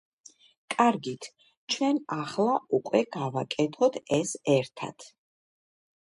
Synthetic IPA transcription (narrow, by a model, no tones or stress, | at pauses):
kʼaɾɡit̪ʰ | t͡ʃʰwɛnaχlˠaʔukʼwɛɡ̥avakʼɛt̪ʰɔt̪ʰɛsɛɾt̪ʰa̰t̪ʰ